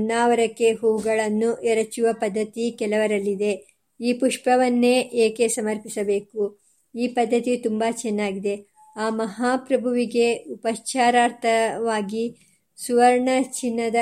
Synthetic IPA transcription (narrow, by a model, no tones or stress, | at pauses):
nːaːʋɐɾɐkːe̞ɦuːuɡɐɭɐnːuʔɛɾɐt͡ʃːuʋɐpɐd̪ːɐt̪ikɛlɐʋɐɾɐlːid̪e̞ | iːpuʂpɐʋɐnːeːʔeːke̞sɐmɐɾpisɐbe̞ːku | iːpɐd̪ʱːɐt̪it̪umbat͡ʃɛnːaːɡid̪e̞ | aːmɐɦaːpɾɐbʱuʋiɡe̞upɐʃt͡ʃaːɾaːɾt̪ʰɐʋaːɡi | suʋɐɾɳɐt͡ʃinːɐd̪ɐ